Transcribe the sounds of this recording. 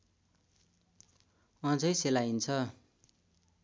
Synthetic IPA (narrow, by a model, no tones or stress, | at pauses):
ʌd͡zʌjselaint͡sʰʌ